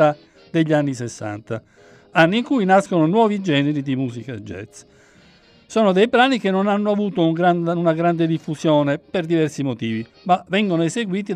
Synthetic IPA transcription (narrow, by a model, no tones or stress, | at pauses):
a | d̪eʎːianːisesːa̰nt̪a̰ | anːiːŋkujnaskononwɔːvid͡ʒɛːneɾid̪imuːsikad͡ʒɛ̰t̪s | soːnod̪ejpɾaːnikenːonanːoavuːt̪ouŋɡɾanunaɡɾand̪ed̪ifːusjɔːneperd̪ivɛrsimot̪iːvi | mavɛŋɡonoezeɡwiːt̪i